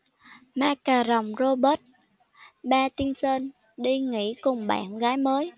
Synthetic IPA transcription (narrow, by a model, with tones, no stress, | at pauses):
maː˧kaː˨˩zə˨˩wŋ͡mzo˧ɓəː˦˥t̚ | ɓaː˧t̪i˧nsəː˧n | ɗi˧ŋḭ˧˥kʊ˨˩ŋ͡mɓa̰ː˧˨nɣaː˨˦jməː˨˦j